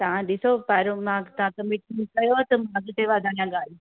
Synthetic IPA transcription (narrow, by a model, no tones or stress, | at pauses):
t̪ɐʋãɗɪsopaːɾõmãːt̪ɐãkɐmɪʈmĩkɐjot̪ɐmaɐɡʈ̪eʋaːd̪ʱãːɲãɠaːl̤i